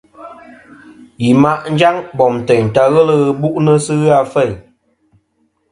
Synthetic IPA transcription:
ji˨ma˦ʔn̩˦d͡ʒa˦ŋbɔ˨mtɛ˨ɲ̩˨ta˧ɣə˦lə˦ɣɨ˦bu˦ʔnə˦sɨ˦ɣɨ˦a˧fɛ˦˨j

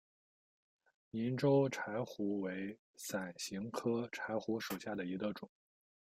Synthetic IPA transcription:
ni˧˥nʈ͡ʂo˥ʊʈ͡ʂʰa˧˥ɪxu˧˥we˧˥ɪ | sa˨˩nɕi˧˥ŋkʰɤ˥ʈ͡ʂʰa˧˥ɪxu˧˥ʂu˨˩ɕja˥˩d̪ə˩i˧˥ɡə˧ʈ͡ʂʊ˨˩˦ŋ

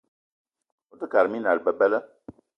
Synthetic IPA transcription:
o˦tə˦ka˨ɾmi˦na˨ɾbə˨bə˦lə˦

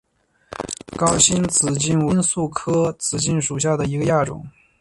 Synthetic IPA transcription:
kɑ˥ʊɕi˥nt͡sɹ̩˨˩t͡ɕi˥˧nwə˧˥nsu˥˩kʰɤ˥t͡sɹ̩˨˩t͡ɕi˥˩nʂu˨˩ɕ̬ja˥˩d̪ə˩i˧˥ɡə˧ja˥˩ʈ͡ʂʊ̰˨˩˦ŋ

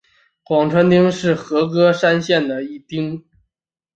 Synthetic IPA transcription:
kwɑ˨˩ŋʈ͡ʂʰwə˧˥nt̪i˥ŋʂɻ̩˥˩xɤ˧˥kɤ˥ʂa˥nɕjɛ˥˩nd̪ə˩i˥˩t̪i˥ŋ

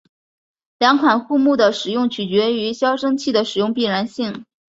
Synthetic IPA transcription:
ljɑ˧˥ŋkʰwa˨˩nxu˥˧mu˥˩d̪ə˩ʂɻ̩˨˩jʊ˥˩ŋt͡ɕʰy˨˩t͡ɕɥɛ˧˥y˧˥ɕjɑ˥ʊʂɤ˥ŋt͡ɕʰi˥˩d̪ə˩ʂɻ̩˨˩jʊ˥˧ŋpi˥˩ɻa˧˥nɕi˥˩ŋ

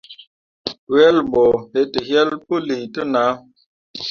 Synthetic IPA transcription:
wɛ˦lmbɔ˨he˨tə˨hjɛ˦lpə˦li˨tə˦na˨˦

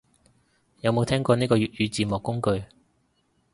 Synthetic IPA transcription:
jɐ˨˧wmo˨˧wt̪ʰɛː˥ŋkɔː˧niː˥kɔː˧ɥyː˨t̚jyː˨˧t͡siː˨moː˨kːʊ˥ŋkɵ˧ɥ

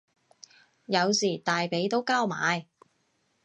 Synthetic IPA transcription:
jɐ˨˧wsiː˨˩t̪aː˨jpe˨˥jt̪o˥wkaː˥wma̰ː˨˧j

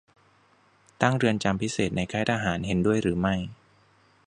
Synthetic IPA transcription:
t̪a˥˩ŋɾɯ˧ənt͡ɕa˧mpʰi˦˥seː˨˩t̪̚na˧jkʰaː˦˥˩t̪ʰaː˧ɦaː˩˦nɦe˩˦ndu˥˩əjɾɯː˩˦ma˥˩j

